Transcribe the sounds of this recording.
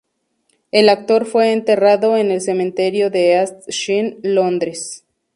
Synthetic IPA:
e̞lak̚t̪o̞ɾfwe̞ːnt̪e̞raðo̞ene̞lse̞mẽ̞nt̪e̞ɾjo̞ðeast̪ʃinlo̞nd̪ɾes

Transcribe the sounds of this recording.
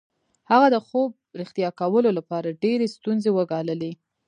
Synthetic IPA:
haɣad̪əxob̚ɾɪxt̪ijɑkawəlolapɑɾaɖeɾest̪unzewəɡɑləle

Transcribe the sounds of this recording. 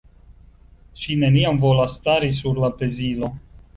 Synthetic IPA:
ʃine̞niamvolast̪aɾis̬uɾlape̞zilo̞

